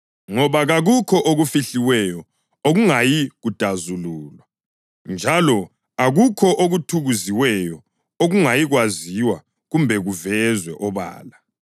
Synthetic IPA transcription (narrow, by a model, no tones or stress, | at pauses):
ŋɔβaɣaɣukʰɔʔoɣufiɬiwɛjɔ | oɣuŋajiɣud̥ʱazuluːlwa | nd͡ʒʱalɔ | aɣukʰɔʔoɣutʰuɣuziwɛjɔ | oɣuŋajiɣwaziwa | ɣumbʱɛɣuvɛzwɛʔɔβa̰ːla